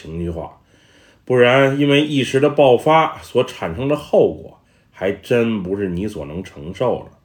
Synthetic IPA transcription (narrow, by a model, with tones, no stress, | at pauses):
i˧˥ŋy˧xwa̰˥˩ | pu˥˩ɻa˧˥ni˥nwe˥˧ɪʔi˥˩ʂɻ̩˧˥d̪ə˧pɑ˥˩ʊfa˥swɔ˧˥ʈ͡ʂʰa˨˩nʂɤ˥ŋd̪ə˧xo˥˩ʊkwɔ̰˨˩˦ | xa˧˥ɪʈ͡ʂə˥npu˧˥ʂɻ̩˥˩ni˧˥swɔ˨˩nɤ˧˥ŋʈ͡ʂʰɤ˧˥ŋʂo˥˩ʊlə̰˩